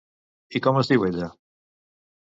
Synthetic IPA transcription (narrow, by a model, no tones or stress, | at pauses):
ikɔmosðiweʎa